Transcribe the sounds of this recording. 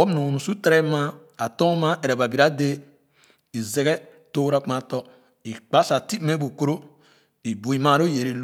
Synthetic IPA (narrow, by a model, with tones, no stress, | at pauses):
o˦mnu˨nu˨su˦te˦ɾe˦ma˦a˨tõ˦ma˦e˨ɾe˨ba˨bi˨ɾa˦de˦ | i˨ze˨ɡe˦ | to˦ɾa˦k͡pa˦tɔ˦ | i˨k͡pa˦sa˨ti˦me˦bu˨ko˦ɾo˦ | i˨bu˨i˨ma˦˨ɾo˦je˨ɾi˨l